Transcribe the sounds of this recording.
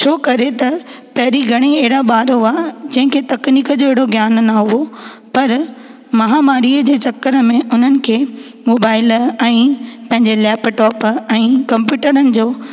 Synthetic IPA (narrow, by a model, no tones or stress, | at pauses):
t͡ɕʰoːkɐɾet̪ɐ | pɐɦɪɾiɡʱɐɽ̃eeɦɪɽaɓaːɾɦʊaːd͡ʑɐ̃ɦɪ̃kʰeːt̪ɐkniːkəd͡ʑoːeɦɪɽoɡjaːnnaɦʊo | pɐɾ | mɐɦamaːɾiːəd͡ʑeːt͡ɕɐkːəɾəmẽʊn̤ənɪ̆kʰeː | moːbaːɪlɛ̃ːpɐ̃ɦɪ̃ɲd͡ʑelɛːpʈɔːpɛ̃ːkɐ̃mpjuːʈəɾənɪ̆d͡ʑoː